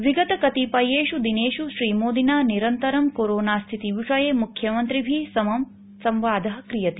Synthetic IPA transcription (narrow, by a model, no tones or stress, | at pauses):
ʋiɡɐt̪ɐkɐt̪ipɐjeːʃud̪ineːʃuʃɾiːmoːd̪inaːniɾɐnt̪ɐɾɐmkoɾoːnaːst̪ʰit̪iʋiʂɐjeːmukʰjɐmɐnt̪ɾibʱisɐmɐm | sɐmʋaːd̪ʱɐɦɐkɾijɐt̪i̥